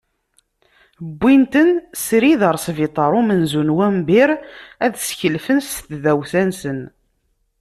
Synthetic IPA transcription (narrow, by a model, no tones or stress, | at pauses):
bːint̪ənsɾiðəɾˤsvit̪ˤɑɾˤʊmənzunwæmbɪɾæðsçəlfənst̪ðæwθænsən